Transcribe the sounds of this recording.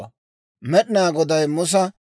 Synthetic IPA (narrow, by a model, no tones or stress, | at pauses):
ɐ | mɛɗɪnaːɡɔd̪ɐjmʊs̬ɐ